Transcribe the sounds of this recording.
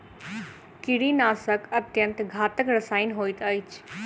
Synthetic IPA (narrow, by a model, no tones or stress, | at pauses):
kiɽinaːsəkɐt̪jə̃nt̪ɡʱaːt̪əkɾɐsaːinɦoːit̪əit͡ʃʰ